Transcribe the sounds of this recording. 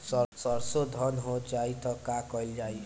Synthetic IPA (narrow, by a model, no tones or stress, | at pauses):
sʌsʌɾsod̪ʱʌnɦod͡ʒait̪ʌkakʌjld͡ʒai